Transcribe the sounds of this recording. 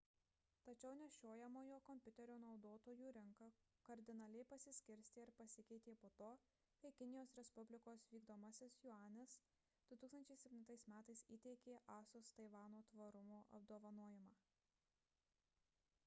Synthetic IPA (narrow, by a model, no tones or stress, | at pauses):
t̪ɐt͡ʃʲɛʊnʲɛʃʲoːjɛmoːjoːkɔmʲpʲʊt̪ʲɛɾʲoːnɒʊd̪oːt̪oːjuːɾʲɪŋkɐ | kɐɾʲd̪ʲɪnɐlʲɛɪpɐsʲɪsʲkʲɪɾʲsʲt̪ʲɪɪɾpɐsʲɪkʲɛɪt̪ʲeːpoːt̪oː | kɐɪkʲɪnʲɪjoːsɾʲɛspʊbʲlʲɪkoːsʋʲiːɡd̪oːmɐsʲɪsjʊɑːnʲɪs | d̪̥ʊt̪uːksɐnʲt͡ʃʲɛɪsʲɛpʲt̪ʲɪnt̪ɐɪsmʲæːt̪ɐɪsḭːt̪ʲɛɪkʲeːʔɑːsost̪ɐɪʋɑːnoːt̪ʋɐɾʊmoːʔɐ̰bd̪oːʋɐnoːjɪmɑː